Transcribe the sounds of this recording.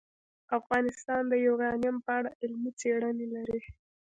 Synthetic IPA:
afɣɑnɪst̪ɑnd̪əjoɡɑnijampəaɽaʔɪlmit͡seɽənelaɾi

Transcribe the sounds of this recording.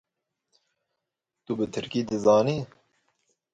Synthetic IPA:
t̪ubɨt̪ʰɨɾkiːd̪ɨzɑːniː

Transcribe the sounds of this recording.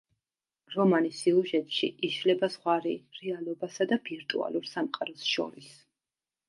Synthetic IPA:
ɾɔmanisiuʒɛt̪ʼʃḭiʃlɛbaz̥ʁwaɾiɾɛalˠɔbasad̪abiɾt̪ʼṵa̰lˠuɾsamqʼaɾɔsʃɔ̰ɾis

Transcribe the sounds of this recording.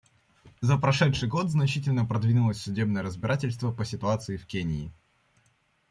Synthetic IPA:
zəpɾɐʂɛt̪ʂɨjɡo̞t̪znɐt͡ɕitʲɪlʲnəpɾɐd̪vʲinʊlˠəsʲsʊdʲebnəjəɾəzbʲɪɾatʲɪlʲst̪vəpəsʲɪt̪ʊat̪sɨɪfkʲenʲɪɪ

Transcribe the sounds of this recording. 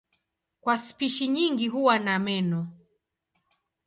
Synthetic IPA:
kwaspiʃiɲiŋɡiɦuwanamɛnɔ

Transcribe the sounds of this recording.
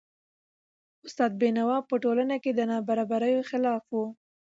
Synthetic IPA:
ʊst̪ɑd̪̚benawɑpəʈolanaked̪ənɑbaɾɑbaɾəjoxɪlɑfwu

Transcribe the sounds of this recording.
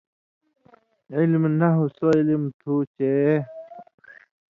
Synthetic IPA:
ilmnaɦusoilimt̪ʰut͡ɕe

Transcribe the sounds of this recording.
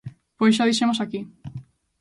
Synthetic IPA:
pojsʃ̬aðiʃemosaki

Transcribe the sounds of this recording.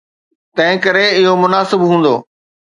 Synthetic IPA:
t̪ɐ̃ɦɪ̃kɐɾeɪɦomʊnaːsɪbɦũːn̆d̪oː

